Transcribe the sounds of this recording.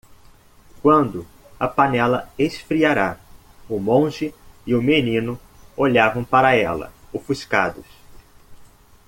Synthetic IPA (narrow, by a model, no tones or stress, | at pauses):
kwɐ̃nd̪ʊ | ɐpɐnɛlɐesfɾiaɾa | ʊmõʒɪɪʊmenĩnʊ | oʎavɐ̃w̃paɾɐɛ̰lɐ̰ʊfuska̰d̪ʊs